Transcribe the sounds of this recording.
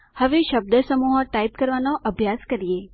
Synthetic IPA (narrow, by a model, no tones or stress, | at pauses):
həʋeʃəb̚d̪əsəmuɦəʈaipkəɾʋanoʔəbʱjaskəɾije